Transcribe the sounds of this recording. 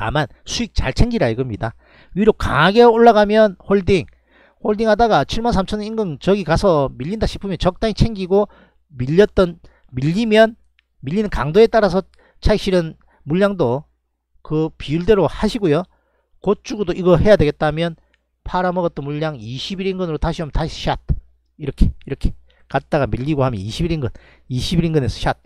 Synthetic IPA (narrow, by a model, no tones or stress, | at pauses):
ta̰mansʰuik̚t͡ɕa̰ɭt͡ɕʰe̞ŋɡiɾaiɡɯmɲida | ɥiɾoka̰ɡe̞oɭːaɡamjʌnɸoɭdiŋ | hoɭdiŋhadaɡat͡ɕʰiɭmansʰamt͡ɕʰʌninɡɯŋt͡ɕʌɡikasʰʌmiʎːindaɕʰi̥pʰumjʌnt͡ɕʌk̚t͈aŋit͡ɕʰe̞ŋɡiɡo | miʎːʌt͈̚ʌn | miʎːimjʌn | miʎːinɯnkaŋdoe̞t͈aɾas̬ʰʌ | t͡ɕʰaiɕ͈ʰiɾɯn | muʎːaŋdo | kɯpiuɭde̞ɾohaɕʰiɡojo | kot̚t͡ɕ͈uɡudoiɡʌhe̞jadwe̞ɡe̞t̚t͈amjʌn | pʰaɾamʌɣʌt͈ʌnmuʎːaŋiɕʰibiɾinɡɯnɯɾotaɕʰiʌmntaɕʰi̥ɕʰat̚ | iɾʌkʰeiɾʌkʰe̞̥ | kat̚t͈aɣamiʎːiɡohamjʌ̰niɕʰibiɾinɡɯn | iɕʰibiɾinɡɯne̞sʰʌɕʰat̚